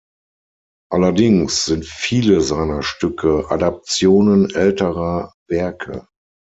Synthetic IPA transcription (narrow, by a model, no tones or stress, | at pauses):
ʔalɐdɪŋsz̥ɪntfiːləzaɪnɐʃtʏkʰəʔa̰dap̚t͡sjoːnənʔɛltəʁɐvɛɐkʰə̰